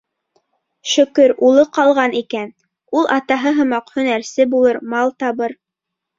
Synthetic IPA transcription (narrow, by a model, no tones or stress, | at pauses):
ʃɵ̆kɵɾulˠɤqɑlˠʁɑnikæn | ulˠʔɑt̪ɑɦɤɦɤ̆mɑqhɵ̆næɾsɘbulˠɤɾmɑlˠt̪ɑβɤɾ